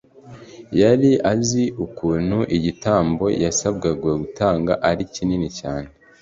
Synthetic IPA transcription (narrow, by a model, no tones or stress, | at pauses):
jaɾiʔaziukuːn̥huʔiɟitaːmbo̞jasab̚ɡaɡweɡutaːŋɡa̰ʔaɾicininicaːne